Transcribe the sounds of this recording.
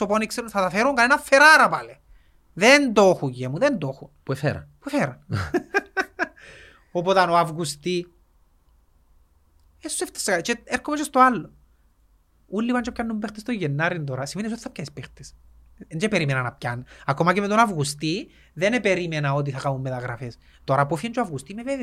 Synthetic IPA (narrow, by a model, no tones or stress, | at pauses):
oponikseɾunθɐt̪ɐfeɾuŋkɐnenɐfːeɾaɾɐpɐle | ðend̪oxujemuðend̪oxunpuefḛɾɐ̰npuefeɾɐn | op̬ot̪ɐnoavɣust̪i | eseft̪ɐ̥sːekat͡ʃeeɾkomet͡ʃest̪oalːo | ulːipɐnt͡ʃepcɐnːumbext̪est̪oʝenːɐɾind̪oɾɐsimenis̬ot̪i̥θɐp̚cɐnispext̪e̥s | end͡ʒepeɾimenɐnɐp̚cɐnɐkomɐcemet̪onɐvɣust̪i | ðenepeɾimenɐot̪̬iθɐkamumːet̪ɐɣɾɐfes | t̪oɾɐpofiɐnt͡ʃoɐvɣust̪imeveve